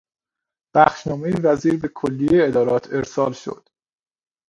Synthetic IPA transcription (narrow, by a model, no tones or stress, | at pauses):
b̥æxʃnɒːmejivæziːɾbekʰolːijeeed̪ɒːɾɒːt̪ʰe̞ɾsɒːlʃo̰d̪̥